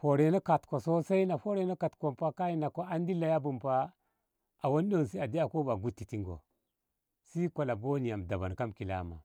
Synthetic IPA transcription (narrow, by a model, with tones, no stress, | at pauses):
fo˨ɾe˨na˦ka˨tko˨so˦sa˦i˦na˨fo˦ɾe˦na˦ka˨tko˨mpa˦ka˦ji˦na˨ko˦a˦ndi˦lːa˨ja˦bu˨mpa˦ | a˨wo˦ndo˦˨si˦a˨di˦a˨ko˦ba˨ɡu˦tːi˨ti˦ŋɡo̰˨ | si˦ko˨la˨bo˦ni˨ja˨mda˨ba˨nka˦mki˨la̰˨˦ma̰˨